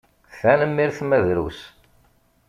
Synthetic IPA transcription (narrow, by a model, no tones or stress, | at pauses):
θænəmːiɾθmæðɾṵs